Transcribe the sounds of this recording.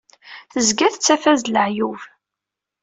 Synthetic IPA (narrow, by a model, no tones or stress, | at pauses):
θəzɡæθət͡sːæfæzləʕjuv